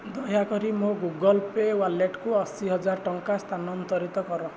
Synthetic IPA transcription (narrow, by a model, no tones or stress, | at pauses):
d̪ɔjakɔɾimoɡuɡɔlpewaleʈkuɔsiɦɔd͡ʒaɾʈɔŋkast̪ʰanɔnt̪ɔɾit̪ɔkɔɾɔ